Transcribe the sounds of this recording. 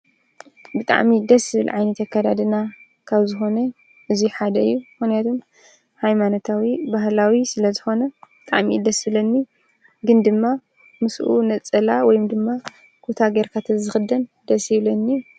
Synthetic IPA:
bɨt̪ʼa̰ʕmid̪ɐsjɪβɨlʕajnɐt̪akːad̪ad̪ɨna | kʰaβzɨxo̞nɐ | ʔɨziħad̪ɐɨjːumɨxnijat̪ʰom | hajmanot̪ʰawibahlawisɨlɐzɨxo̞nɐbɨt̪ʼaʕmid̪ɐsɪβlɐnːi | ɡɨnd̪ɨmːa | mɨsʔṵnɐt͡sʼɐlawɔjumd̪ɨmːa | kʰot̪ʰaɡeɾkʰat̪ʰɨzɨxɨd̪ɐnd̪ɐsjɪβlɐnːi

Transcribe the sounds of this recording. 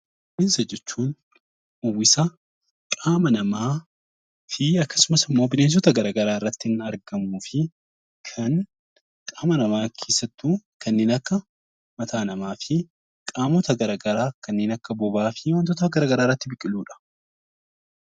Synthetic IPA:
wɪnsɐd͡ʒɛt͡ʃːuːn | ʊwːɪsɐ | kʼaːmɐnɐmaː | fɪɐkːɐ̥sʊmɐsɪmːo̞ːbɪneːns̬ɔt̪ɐɡɐɾaːɡɐɾaːɪrːɐt̪ːɪɪnɐɾɡɐmuːfɪ | kʰɐŋ | kʼaːmɐnɐmaːkʰe̞ːsɐt̪ːuːkʰɐnːeːnɐkːɐ | mɐt̪ʰaːnɐmaːfɪ | kʼaːmɔt̪ɐɡɐɾaːɡɐɾaːkɐnːeːnɐkːɐbɔbaːfɪwɐnt̪ɔt̪ɐɡɐɾaːɡɐɾaːrːɐt̪ːɪbɪkʼɪluːᶑɐ̥

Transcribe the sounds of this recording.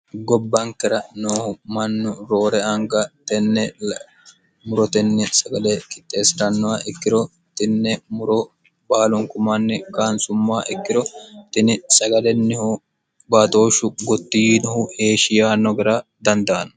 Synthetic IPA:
ɡɔbːɐŋkɛɾɐnoːhʊmɐnːʊɾo̞ːɾɛɐŋɡɐt̪ɛnːɛ | mʊɾɔt̪ɛnːɛsɐɡɐlɛkɪ̥t̪ʼːeːsɪɾɐnːɔwɐɪkːɪɾɔ | t̪ɪnːɛmʊɾɔ | baːlʊŋkʊmɐnːɛkaːnsʊmːaːʔɪkːɪɾɔt̪ɪnɪsɐɡɐlɛnːɪhʊ | baːt̪o̞ːʃʊɡɔt̪ːijinɔhʊhe̞ːʃɪjaːnːɔɡɪɾaːd̪ɐnd̪aːnɐ

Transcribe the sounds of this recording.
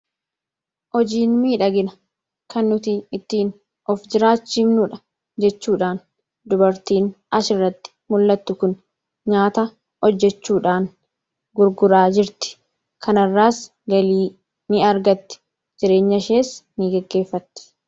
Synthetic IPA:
ʔɔd͡ʒiːnmiːᶑɐɡɪnɐ | kʰɐnːʊt̪iɪt̪ːiːn | ɔfd͡ʒɪɾaːt͡ʃːiːmnʊᶑɐ | d͡ʒɛt͡ʃːuːᶑaːn | d̪ʊbɐɾt̪iːnʔɐʃɪrːɐt̪ːɪ̥mʊlːɐt̪ːʊkʊn | ɲaːt̪ɐ | hɔd͡ʒːɛt͡ʃːuːᶑaːn | ɡʊɾɡʊɾaːd͡ʒɪɾt̪ɪ̥ | kʰɐnɐrːaːs | ɡɐliː | nɪɐɾɡɐt̪ːɪ̥ | d͡ʒɪɾe̞ːɲːɐʃeːsniɡɛɡːe̞ːfːɐt̪ːɪ̥

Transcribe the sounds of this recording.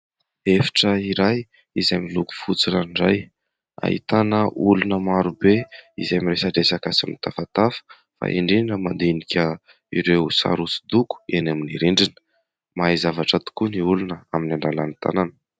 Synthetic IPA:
efi̥ʈ͡ʂəiɾaj | izamiluku̥fut͡silaɳɖ͡ʐaj | a̰ɦḭt̪anəulunəmaɾubeḭzamiɾesaɖ͡ʐesakasamnit̪afat̪afə̥ | fa̰ʔeɳɖ͡ʐiinəmand̪enikʲə | ḭɾewsa̰ɾusi̥d̪uku̥enaminiɾiɳɖ͡ʐinə̥ | maizavaʈ͡ʂət̪u̥kuniulunəaminaɳɖ͡ʐalanit̪a̰nanə̥

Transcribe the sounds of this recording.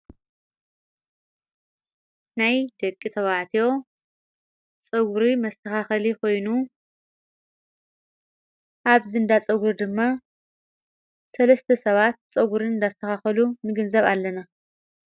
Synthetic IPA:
najd̪ɐkʼːit̪ʰɐβaʕt̪ʰijo̞ | t͡sʼɐɡuɾimɐst̪ʰɐxaxɐlikʰo̞jnu | ʔaβzɨɨnd̪at͡sʼɐɡuɾd̪ɨmːa | sɐlɐst̪ʰɐsɐβat̪̚t͡sʼɐɡuɾinɨnd̪ast̪ʰɐxaxɐlunɨɡɨnzɐβalːɐna

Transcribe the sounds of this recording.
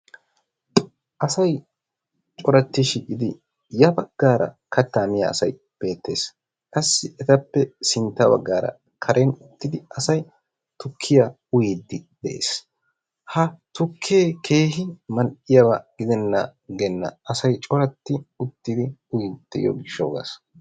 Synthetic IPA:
ʔɐsɐj | t͡ʃʼɔɾɐt̪ːɪʃiʔɪd̪ɪ | jɐbɐɡ̥ːaːɾɐ̰ | kʰɐt̪ːamɪjɐ̰ːsɐj | b̥e̞ːt̪ːe̞ːs | kʼɐsːɪʔɛt̪ɐpːɛsɪnt̪ːɐbɐ̰ɡːaːɾɐ̰ | kʰɐɾʔenʊt̪ːɪd̪ɪɐsɐj | t̪ʊkʰːɪjɐ | ʊjid̪ːɪd̪ɛʔḛːs | hɐt̪ʊkʰːeːkʰeːhɪmɐnʔɪjɐbɐɡ̥ɪd̪ɛnːɐɡɛnːɐ̰ʔɐsɐjt͡ʃʼɔɾɐt̪ːɪʊt̪ːɪd̪ɪʊjid̪̥ːɛjo̰ɡɪʃːo̰ːɡa̰s

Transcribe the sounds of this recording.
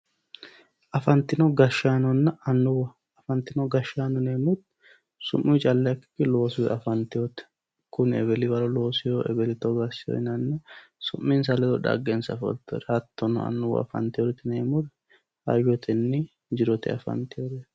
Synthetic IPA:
ʔɐfɐnt̪ɪnɔɡɐʃːaːnɔnːɐɐnːʊwɐ | ɐfɐnt̪ɪnɔɡɐʃːaːnɔneːmʊt̪ | sʊ̰mːit͡ʃʼɐlːɛɐkːɪ̥kːɪlo̞ːsʊwɛʔɐfɐnt̪ɪjɔt̪ɛ̥ | kʊnɛbɛlɪbɐɾɔlo̞ːsɪjoːʔɛ̰bɛlɪt̪ɔɡɐsɪjɔ̰ɪnɐnːɐsʊmːɪns̬ɐlɛt̪ɔᶑɐ̰ɡensɐfɔ̰lt̪ːɔɾɐt̪ːɔnɔ̰ɐ̰nːʊwɐ̰ɐ̰fɐ̰nt̪ɪjɔɾɛt̪ːɪneːmʊɾɛ | hɐ̰jɔt̪ʰɛnːɪ | d͡ʒɪɾɔt̪ɛ̰ɐ̰fɐ̰nt̪ɪjolɛ

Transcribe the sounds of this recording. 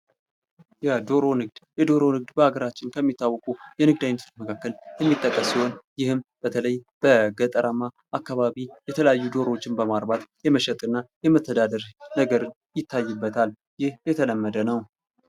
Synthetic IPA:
jɛd̪oɾo̞nɨɡd̪̥jɛd̪o̞ɾo̞nɨɡ̚d̪bəaɡəɾat͡ʃːɪnkʰəmːit̪ʰːawːɔkʼujɛnɨɡ̚d̪ajnət̪ʰut͡ʃ̪məkʰakːəljɛmːit̪ʼːəkʼːəsiho̞njɪhɨmb̥ət̪ʰələjb̥əɡət̪ʼəɾəma | ʔakːaβaβijɛt̪ʰələjajːud̪o̞ɾot͡ʃːɪnbəmaɾbat̪jɛməʃɛt̪ʼɨnːajɛmət̪ʰːəd̪ad̪əɾnəɡəɾɨn | jɪt̪ʰːajːɪbːət̪ʰal | jɪhjɛt̪ʰələmːəd̪ənəw

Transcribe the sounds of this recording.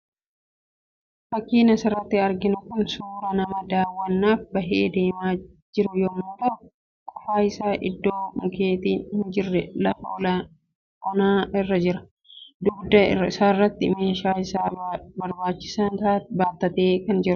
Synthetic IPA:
fɐkːiːnɐsɪrːɐt̪ːɪɐɾɡɪnʊkʊnsuːɾɐnɐmɐd̪aːwːɐnːaːfbɐɦḛːd̪e̞ːmaː | d͡ʒɪɾʊjɔmuːt̪ɐ | kʼʊ̥faːɪsaːʔɪd̪ːo̞ːmʊkeːt̪iːhɪnd͡ʒɪrːɛlɐfɐɔla | ʔɔnaːɪrːɐd͡ʒɪɾɐ̥ | d̪ʊɡd̪ɐɪ̰rɐɪsaːɪrːɐt̪ːɪ̰me̞ːʃaːɪsaːbɐɾbaːt͡ʃːɪ̥saːnt̪aːbaːt̪ːɐt̪eːkɐnd͡ʒɪɾ

